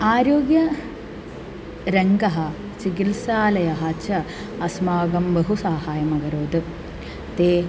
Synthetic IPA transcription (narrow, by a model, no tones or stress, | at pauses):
aːɾoːɡjɐ | ɾeŋɡɐɦɐ | t͡ʃik̬ilsaːlɐjɐɦɐt͡ɕʰɐ | ɐsmaːɡɐmbɐɦusaːhaːjɐmɐɡɐɾoːd̪ɨ | t̪eː